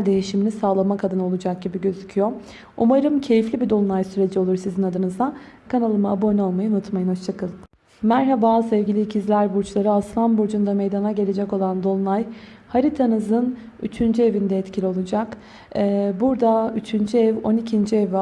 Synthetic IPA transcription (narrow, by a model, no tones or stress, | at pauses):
d̪e̞jiʃiminisaːlˠamakʰad̪ɯno̞lˠud͡ʒak̚ɟibiɟø̞zycʰyjo | umaɾɯmcʰe̞jiflʲibid̪o̞lˠlˠajsyɾe̞d͡ʒio̞lˠuɾsizinad̪ɯnɯzd̪akʰanalˠɯmaːbonʲo̞lˠmajɯunut̪majɯnhoʃt͡ʃʰakʰɯlˠɯm | mæɾɦabasɛvɟilʲiːcʰizlʲæɾbuɾt͡ʃlˠaɾɯasfanbuɾd͡ʒund̪ame̞jd̪anaɟe̞lʲe̞d͡ʒɛko̞lˠand̪o̞lˠlˠaj | haɾit̪ʰanɯzɯn | yt͡ʃʰynd͡ʒye̞vind̪ɛːt̪cʰilʲio̞lˠud͡ʒakː | buɾd̪ayt͡ʃʰynd͡ʒyɛvo̞nicʰind͡ʒiɛv